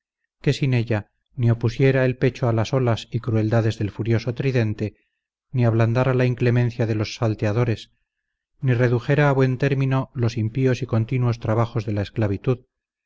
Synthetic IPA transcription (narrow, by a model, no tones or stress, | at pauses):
ke̞sine̞ʎa | nio̞pusje̞ɾaelpe̞t͡ʃoalaso̞lasikɾue̞ld̪aðe̞zðe̞lfuɾjo̞so̞t̪ɾiðe̞nt̪e̞ | niaβland̪aɾalaiŋklemen̟θjaðe̞losːalt̪eaðo̞ɾe̞s | nire̞ðuxe̞ɾaːβwe̞nt̪e̞ɾmino̞lo̞simpio̞siko̞nt̪inuo̞st̪ɾaβaχo̞zðe̞laesklaβ̞it̪uð